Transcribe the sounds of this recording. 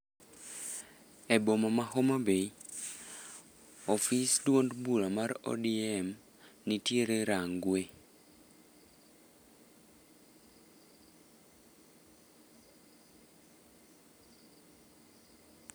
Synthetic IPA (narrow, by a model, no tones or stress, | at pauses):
ebomamahomabei | ofisdwondbuɾamarɔ̰diɛm | nitieɾeɾaŋɡwe